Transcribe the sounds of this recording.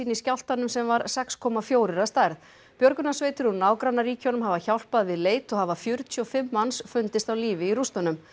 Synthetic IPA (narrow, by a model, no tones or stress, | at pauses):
iniscawl̥t̪anːʏmsɛmvaɾsɛkskʰɔːmafjoːwɾɪɾast̪ajɾθ | pjœɾkʏnasveːjt̪ʏɾunaːwkɾanːaɾiːconʏmɦavaçawl̥paðvɪðleːjt̪ɔɣhavafjʏɾt̪ʰyɔfɪmːansfʏnt̪ɪst̪awliːvɪirust̪anːʏm